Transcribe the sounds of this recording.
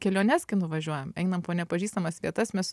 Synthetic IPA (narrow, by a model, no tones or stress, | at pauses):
kʲɛlʲoːnʲɛskʲɐɪnʊʋɐʒʲuɔjɛmɛɪnɐmpoːnʲɛpɐʒʲiːst̪ɐmɐsʋʲḭɛt̪ɐsmʲɛs